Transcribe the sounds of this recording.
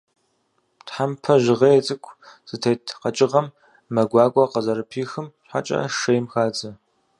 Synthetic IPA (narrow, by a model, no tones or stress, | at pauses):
tħampʰɐʑɪʁɐjɛt͡sʼɨkʷʰʼz̥ɨtʰeːtʰqɐt͡ʃʼɪʁɐmː | ɐɡʷaːkʷʼɔqɐzɐɾɨpʰiːxɨmɕħa̰t͡ʃʼɐ̰ʂejmxaːt͡sʼɐ